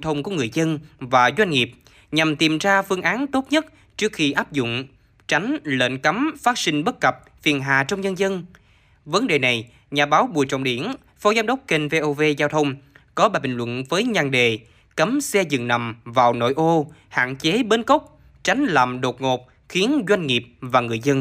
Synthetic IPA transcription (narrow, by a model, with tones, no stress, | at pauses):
t̪ʰə˧wŋ͡mku˧˩əŋɨ˨˩əjzə˧nvaː˨˩zwa˧jŋ̟ŋi˨˩əp̚ | ɲa˨˩mt̪i˨˩mzaː˧fɨ˧əŋʔaː˨˦nt̪o˦˥t̚ɲə˦˥t̚ | t͡ɕɨ˦˥ək̚xi˧ʔaː˦˥p̚zʊ̰˧˨ŋ͡m | t͡ɕa˨˦jŋ̟lə̰ː˧˨nkə˨˦mfaː˦˥t̚sï˧ŋ̟ɓə˦˥t̚kə˨˩p̚ | fi˨˩ənɦaː˨˩t͡ɕɔ˧wŋ͡mɲə˧nzə˧n | və˨˦nɗe˨˩na˨˩j | ɲaː˨˩ɓaː˨˦wɓu˨˩əjt͡ɕɔ̰˧˨wŋ͡mɗi˧˩˦ən | fɔ˨˦zaː˦mɗə˦˥wk͡p̚ke˧nve˧ʔo˧ve˧zaː˧wt̪ʰə˧wŋ͡mkɔ˨˦ɓaː˨˩ɓï˨˩ŋ̟lwə̰˧˨nvəː˨˦jɲa˧˩ŋɗe˨˩ | kə˨˦msɛ˧zɨ̰˨ŋna̰˨˩mvaː˨˩wno̰˧˨jʔo˧ha̰ː˧˨nt͡ɕe˨˦ɓe˧nkə˦˥wk͡p̚ | t͡ɕa˨˦jŋ̟la̰˧˨mɗo˨˩t̚ŋo˨˩p̚ | xi˨˦ənzwa˧jŋ̟ŋi˨˩əp̚vaː˨˩ŋɨ˨˩əjzə˧n